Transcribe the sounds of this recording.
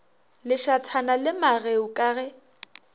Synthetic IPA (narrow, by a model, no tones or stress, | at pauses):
lɪʃatʰanalɪmaɣeʊkʼaːɣɛ